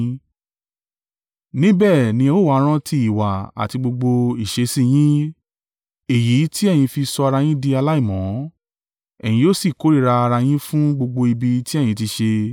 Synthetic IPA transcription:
nĩ˦bɛː˦˨nĩ˧o˦˨wa˨˦ɾ̃ã˦tʰi˧i˨wa̰˨a̰˨ti˧ɡ͡bo˧ɡ͡bo˧i˨ʃe˨˦sĩ˦˨j̃ĩ˦ | e˨ji˨˦ti˦ɛ˦˨j̃ĩ˧fi˧sɔ˧a˧ɾa˧j̃ĩ˦di˧a˧la˦i˦˨mɔ̃˨˦ | ɛ˨j̃ĩ˧jo˦˨si˦˨ko˨˦ɾi˦˧˨ɾa˧a˧ɾa˧j̃ĩ˦fũ˦ɡ͡bo˧ɡ͡bo˧i˧bi˧ti˦ɛ˦˨j̃ĩ˧ti˧ʃe˧

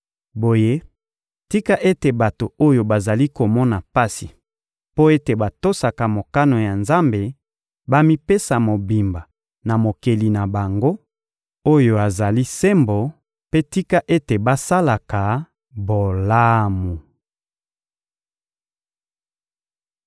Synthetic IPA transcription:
bo˨je˦ | ti˦ka˦ʔe˦te˨ba˨to˨o˦jo˨ba˨za˨li˦ko˨mɔ˦na˨pa˦si˨ | po˦e˦te˨ba˨to˦sa˨ka˨mo˨ka˦no˨ja˨nza˦mbe˨ | ba˦mi˦pe˦sa˨mo˨bi˨mba˨ | na˨mo˨ke˨li˨na˨ba˨ŋɡo˦ | o˦jo˨a˨za˨li˦se˦mbo˨ | pe˦ti˦ka˦ʔe˦te˨ba˦sa˦la˨ka˨ | bo˨la˦mu˨

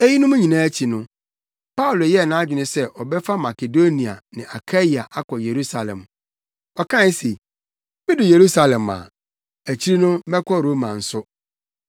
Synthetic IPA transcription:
e˦ji˦nʊ̃˦mũ˦ɲĩ˨nãː˦æ˦t͡ɕʰi˨nʊ̃˦ | pa˦u˨lo˨jɛ˦˨nã˦d͡ʑᶣɪ˨nɪ̃˦sɛ˦ʔɔ˨bɛ˦fa˦ma˨ke˨do˦nĩ˨a̰˨nɪ̃˨ʔa˨kʰa˦i˨a˨ʔa˦kʰɔ˨je˨ɾu˦sa˨lɛ̰̃˨m | ɔ˨kʰã˦se˨ | mɪ̃˦dʊ˨je˨ɾu˦sa˨lɛ̃˨ma̰˨ | æ˨t͡ɕʰi˦ɾi˦nʊ̃˦mɛ˦kʰɔ˦ɾo˦mã̰˨n̩˨sʊ˦

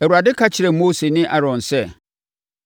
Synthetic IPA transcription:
æ˨wu˨ɾa˨dɪ˦kʰa˦t͡ɕʰɪ˨ɾɛ˨moː˦se˨nɪ̃˦ʔa˦ɾɔ̃˨nsɛ˦

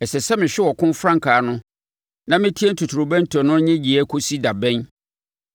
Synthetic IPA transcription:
ɛ˨sɛ˨sɛ˦mɪ̃˨ɕᶣɪ˦wɔ˨kʰʊ̃˦m˦fɾã˦ŋ˨kʰaː˨nʊ̃˦ | nã˦mɪ̃˦tʰi˦e˦n̩˦tʰu˨tʰu˨ɾʊ˨bɛ̃˦ntʰɔ˨nʊ̃˦ɲɪ̃˦d͡ʑi˨ɛ˦kʰo˦si˦da˨bɛ̃˦n

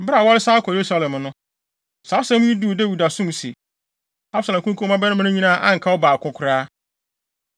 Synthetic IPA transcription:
m̩˨ba˨wɔ˦ɾɪ˦sa˦kʰɔ˨je˨ɾu˦sa˦lɛ̃˨mnʊ̃˦ | sa˨˦sɛ̃˦m˦ɲĩ˦du˦˨de˦wi˨da˨sʊ̃˦m˨sḛ˨ | a˦bsa˨lɛ̃˨kʰũ˦kʰũ˦mã˦bɛ˦nʊ̃˦m̃˦nʊ̃˦ɲĩ˦nãː˦ʔã˦ŋ̩˨kʰa˦wɔ˦baː˨kʰʊ̃˦kʰʊ˨ɾaː˦

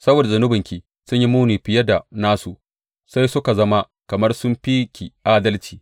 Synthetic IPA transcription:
sɐ˦boː˨da˨zɐ˨nʊ˦bɪ˨ŋkʲi˨ | sʊ˦ɲji˦muː˦niː˨ɸɪ˨jɐ˦da˨naː˦su˨ | sa˦jsʊ˦ka˨zɐ˦ma˦ | kɐ˨mɐ˦rsʊ˦mɸi˦kʲi˨ʔaː˦dɐ˦lt͡ʃi̥ː˨

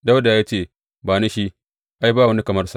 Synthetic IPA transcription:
da˦wda˨jaː˦t͡ʃeː˦˨ | baː˨ne˦ʃi˦ | ʔa˦jbaː˦˨wɐ˦ni˦kɐ˨mɐ˦rsa˦ʔ

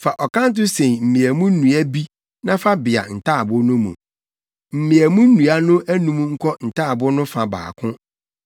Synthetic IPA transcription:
fa˨ʔɔ˨kʰã˦n̩˦t̬ʊ˦sẽ˨m̩˨mĩ˨æ˨mũ˦n̩˦nũ˨æ˦bi˦ | nã˦fa˦bɪ˨a̰˨n̩˨tʰaː˦˨bʊ˦nʊ̃˦mṵ̃˨ | m̩˨mĩ˨æ˨mũ˦n̩˦nũ˨a˦nʊ̃˦ʔæ˦nũ˦m˦ŋ̩˦kʰɔ˦n̩˨tʰaː˦˨bʊ˦nʊ̃˦fã˨ba̰ː˨kʰʊ̃˦

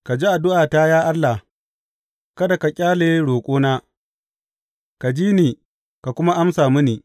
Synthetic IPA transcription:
ka˨d͡ʒi˦ʔa˨dʊ˦ʔaː˨ta˦jaː˦ʔa˦lːa˨ | kɐ˦da˨ka˨kʲʼaː˦le˦ɽoː˨kʷʼoː˦naː˦ | ka˨d͡ʒiː˦niː˨ | ka˨kʷʊ˦ma˦ʔa˦msaː˨mʊ˦niː˨

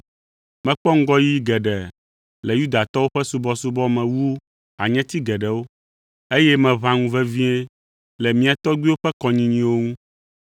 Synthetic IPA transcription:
mɛ̃˨k͡pɔ˦ŋ̩˦ɡɔ˦ji˦ɡɛ˨ɖɛ˨ | lɛ˨ju˦d̪a˨t̪ɔ˦wo˦ɸɛ˦su˦bɔ˦su˦bɔ˦mɛ̃˨wu˦ | a˨ɲɛ̃˦t̪i˦ɡɛ˨ɖɛ˨wo˦ | e˦jɛ˦mɛ̃˨βã˦ŋũ˦vɛ˦vĩ˦ɛ˦ | lɛ˨mĩ˦a˨t̪ɔ˦ɡ͡bi˦wo˦ɸɛ˦kɔ˨ɲĩ˨ɲĩ˨wo˦ŋũ˦

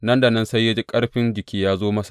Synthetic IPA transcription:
nɐ˦nda˨nɐ˦nsa˦jːa˦d͡ʒi˦kʼɐ˦ɽɸɪ˦nd͡ʒɪ˨kʲiː˦jaː˦zoː˦mɐ˦sḁ˨ʔ

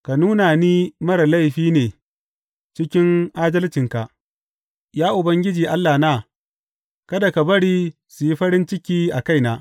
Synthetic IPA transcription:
ka˨nuː˦na˨niː˦mɐ˦ɾɐ˨la˦jɸiː˦neː˨ | t͡ʃɪ˦kʲɪ˦ŋʔaː˦dɐ˦lt͡ʃɪ˨ŋka˨ʔ | jaː˦ʔʊ˨bɐ˦ŋɡʲɪ˦d͡ʒiː˨ʔa˦lːa˨naː˦ | kɐ˦da˨ka˨bɐ˦ɽiː˦ | su˨ji˦ɸɐ˦ɽɪ˦nt͡ʃɪ˦kʲiː˦ʔa˨ka˦˨jnaː˦

